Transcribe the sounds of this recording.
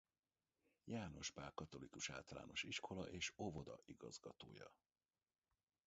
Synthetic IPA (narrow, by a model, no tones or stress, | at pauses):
jaːno̞ʃpaːrkɒt̪o̞likuʃa̰ːlt̪ɒla̰ːno̞ʃiʃko̞lɒʔeːʃo̞vo̞d̪ɒʔiɡɒzɡɒt̪oːjɒ̰